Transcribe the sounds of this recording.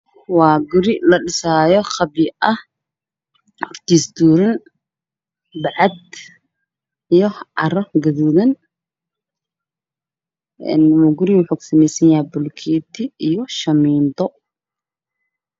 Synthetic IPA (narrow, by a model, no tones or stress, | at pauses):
wɑːɡʊɾɪlɐɖɪsaːjɔχɑbɪʔɐh | hɔrt̪ʰiːsd̪uːɾɐn | bɑʕɑd̪̚ | ijɔʕɑ̰rɔɡɐðuðɐn | ɛ̰nmʊɡʊɾɪwʊħuːksɐmɛjsɐnjaɛbʊlkʰiːt̪ʰɪijɔʃɐmiːnt̪ɔ